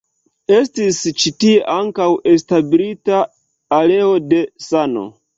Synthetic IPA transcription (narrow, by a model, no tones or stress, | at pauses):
e̞stist͡ʃitie̞ʔaŋkawe̞stabilitaː | le̞o̞de̞sano̞̰